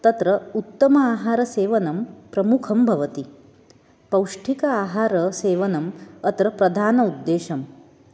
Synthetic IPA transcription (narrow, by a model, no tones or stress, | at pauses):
t̪ɐt̪ɾɐut̪ːɐmɐaːɦaːɾɐseːʋɐnɐmpɾɐmukʰɐmbʱɐʋɐt̪i | pɐwʂʈʰikɐaːɦaːɾɐseːʋɐnɐmɐt̪ɾɐpɾɐd̪ʱaːnɐud̪ːeːʃɐm